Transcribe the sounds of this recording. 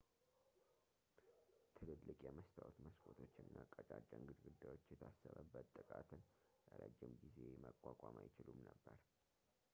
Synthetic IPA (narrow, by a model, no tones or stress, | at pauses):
t̪ʰɨlɨllːɨkʼjɛməst̪ʰawt̪məskʰot̪ʰo̞t͡ʃːɨnːakʼət͡ʃʼat͡ʃʼːaɨŋɡɨd̪ɡɨd̪ːajwo̞t͡ʃːjɛt̪ʰasːəβəbːət̪ʼːɨkʼat̪ʰɨnʔəɾəd͡ʒːɪmɡize̞məkʼwakʼamajɪt͡ʃɪlumnəbːəɾ